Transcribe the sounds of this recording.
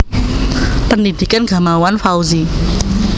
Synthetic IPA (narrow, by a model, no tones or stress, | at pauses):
pənid̪̥ikanɡ̥a̤mawanfawzi